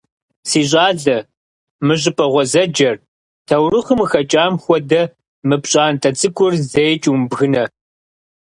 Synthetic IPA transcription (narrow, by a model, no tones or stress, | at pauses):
siːɕ̬ʼaːɮɐ | mɨʑɪpʰʼɐʁʷɔzɐd͡ʒɐr | tʰɐwrɨχəmɨxɐt͡ʃʼaːmxʷɔdɐ | mɨpɕʼaːntʼɐt͡sʼɨkʷʼʊrzejt͡ʃʼwumbɣɨnɐ